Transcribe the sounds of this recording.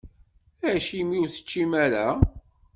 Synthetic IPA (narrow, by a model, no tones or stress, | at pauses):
æʃimiuθə̥t͡ʃːimæɾæ